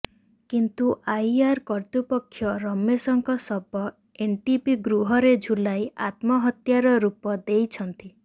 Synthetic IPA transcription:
kint̪uʔajiaɾkɔɾt̪upɔkʰːjɔɾɔmːesɔŋkɔsɔbɔ | enʈipiɡɾuɦɔɾed͡ʒʱulajat̪mɔɦɔt̪jaɾɔɾupɔd̪ejt͡ʃʰɔnt̪i

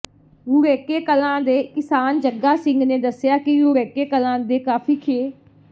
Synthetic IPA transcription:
uːɾɛːkeːkəlãːd̪eːkɪsaːnd͡ʒəɡaːsɪ̃ŋɡnẽːd̪əsɪjaːkɪɡuːɾɛːkeːkəlãːd̪eːkaːpʰiːkʰeː

